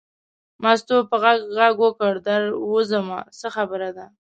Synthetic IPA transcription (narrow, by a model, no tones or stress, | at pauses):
mɑst̪opəɣaɡɣaɡwəkəɽd̪aɾwəzəma̰səxabəɾad̪a